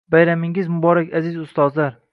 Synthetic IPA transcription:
bajɾamɪŋɪzmʊbɒɾakʲazɪzʊst̪ɒzlaɾ

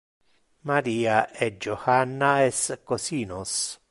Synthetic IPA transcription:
maɾiːaʔed͡ʒohanːaeskosiːnos

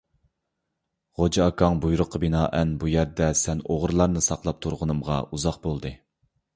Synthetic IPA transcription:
ʁod͡ʒɑɑkʰɑŋbujɾʊqʰːəbinɑːʔɛnbujæɾd̪ɛsɛnoʁɾlˠɑɾnɨsɑqlˠɑp̚t̪ʰuɾʁənɨmʁɑ̰uzɑqbolˠd̪ɨ

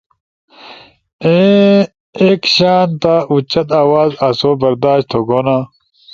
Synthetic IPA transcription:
ẽ | ekɕaːnt̪aʔut͡ɕɐt̪aːwaːzɐsoːbɐɾd̪aːɕt̪ʰoɡoːna

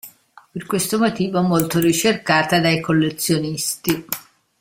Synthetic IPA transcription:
perkwest̪omot̪iːvoɛmːolt̪orit͡ʃerkaːt̪ad̪ajkolːet̪sːjonist̪i

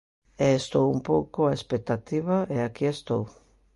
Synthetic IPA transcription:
ɛːst̪owumpowkoaespek̚t̪at̪iβ̞aʔɛakiest̪ow

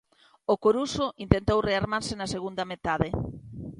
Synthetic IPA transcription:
okoɾusoʔint̪ent̪owreaɾmaɾsenɐseɣund̪ɐmet̪aðe

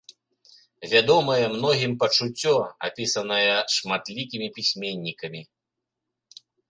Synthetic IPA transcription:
vʲad̪ɔmɐjɛmnɔɣʲimpɐt͡ʂut͡sʲːɔa̰pʲisɐnɐjɐʂmat̪lʲikʲimʲipʲisʲmʲenʲːikɐmʲi

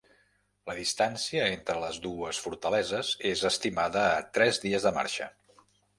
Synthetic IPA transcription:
ləðist̪ansiəent̪ɾələzðuəsfuɾt̪əlɛzəzezəst̪imaðəːt̪ɾɛzðiəzðəma̰ɾʃə̰

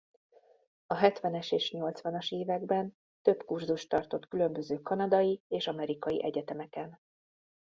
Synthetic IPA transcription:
ɒɦɛt̪ʋɛnɛʃeːʃɲo̞lt̪sʋɒnɒʃeːvɛɡbɛn | t̪ø̞pkurzuʃt̪ɒrt̪o̞t̪kylø̞mbø̞zøːkɒnɒd̪ɒjieːʃɒmɛɾikɒjḭʔɛɟɛt̪ɛmɛkɛn

